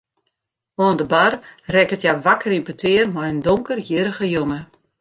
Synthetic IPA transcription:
oəndəbarrɛkətjaʋakərinpətʰɪərmɔjəndoŋkərjɪɾəɣəjomə

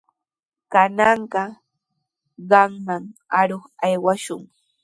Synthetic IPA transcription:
kanɑɴɢɑ | ɢɑmmaŋaɾoχajwaʃʊŋ

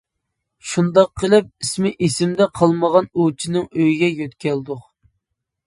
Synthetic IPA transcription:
ʃund̪ɑqʰːəlˠɪp̚ismɪʔisɪmd̪ɛqʰɑlˠməʁɑnut͡ʃʰinɪŋøjiɡʲɛjøt̪kʲʰɛld̪ʊq

